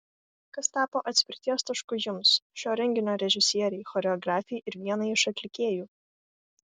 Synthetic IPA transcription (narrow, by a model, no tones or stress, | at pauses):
kɐst̪ɑːpoːʔɐt̪ʲsʲpʲɪɾʲt̪ʲiɛst̪ɐʃkʊjʊmsʃʲoːɾʲɛŋʲɡʲɪnʲoːɾʲɛʒʲɪsʲiɛɾʲɛɪxɔɾʲɛɔɡɾɑːfʲɛɪʔɪɾʋʲiɛnɐɪɪʃɐt̪ʲlʲɪkʲeːjuː